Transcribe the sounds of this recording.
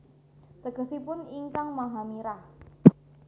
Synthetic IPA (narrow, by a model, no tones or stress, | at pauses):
d̪̥ə̤ɡə̤sipʊniŋkaŋmaɦamiɾah